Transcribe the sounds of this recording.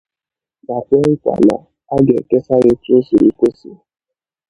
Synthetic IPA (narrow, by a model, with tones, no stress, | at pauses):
ma˨kʷe˦ŋɪ˦kʷa̰˨na̰˨ | a˦ɡe˨ke˦sa˦ɾe˦tu˦su˨ḭ˦kʷo˦si˨